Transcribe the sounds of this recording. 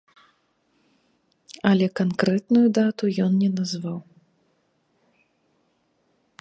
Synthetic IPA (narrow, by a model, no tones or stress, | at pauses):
ɐlʲɛkankɾɛt̪nujud̪at̪ujɔnnʲɛnazvaw